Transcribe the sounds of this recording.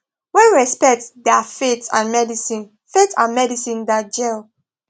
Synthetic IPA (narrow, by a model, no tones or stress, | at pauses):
wɛ̃nɹɛspɛk̚tdɛfetã̰nmɛdisĩn | fetãnmɛdisĩndad͡ʒel